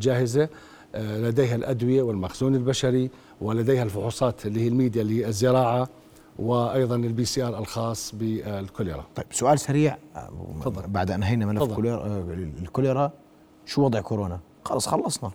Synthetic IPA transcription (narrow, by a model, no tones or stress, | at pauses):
d͡ʒaːhɪza | lad̪eːhalʔad̪wɪjawɪlmaxz̥uːnɪlbaʃaɾi | wʔɪlad̪eːhalfʊħuːsˤɑːt̪lːihiːlmiːd̪jaliːɪzːɪɾɑːʕa | wɪʔɑjðˤɑnɪlbiːsiːʔɑːɾˤɪlxɑːsˤːbɪlkʊliɾˤɑ̰t̪ˤɑjbsʊʔaːlsaɾiːʕɑðˤːbaʕd̪ʔanɦajnamalaˤːl | lkʊlɪɾˤɑ | ʃuwɑd̪ˤʕkʊɾoːna | xɑ̰lɑsˤxɑlːɑsˤnɑ